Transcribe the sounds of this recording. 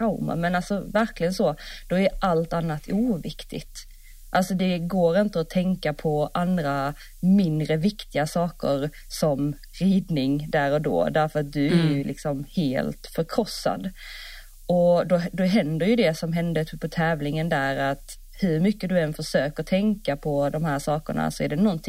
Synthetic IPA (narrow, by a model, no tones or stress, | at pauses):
aʊma̰nmɛnalsɔvæɾklɪɡənsɔːd̪̥ɔæɾʔalt̪anːat̪ʰuːvɪkt̪ɪ̰ɡt̪ | ʔalsɔd̪ɛɡoːɾɪnt̪əɔt̪ʰɛŋkapʰɔʔand̪ɾa | mɪnd̪ɾəvɪkt̪ɪɡasɑːkə̰ɾ | sɔm | ɾiːd̪nɪŋd̪æːɾɔd̪o̰ːd̪æɾfœɾat̪̚d̪ɵæɾjɵlʔɪ̰ksɔmheːlt̪fœɾkʰɾɔsːa̰d̪ | ɔd̪ɔd̪ɔɦɛnd̪əɾjɵd̪ɛsɔmɦɛnd̪ət̪ʰːpʰɔt̪ʰɛːvlɪŋənd̪æɾat̪ | hɵɾmʏkːəd̪ɵɛnfœʂøːkət̪ʰɛŋkapʰɔd̪ɔmhæːʂɑːkə̰ɳa̰sɔæɖɛnɔnt̪ʰɪ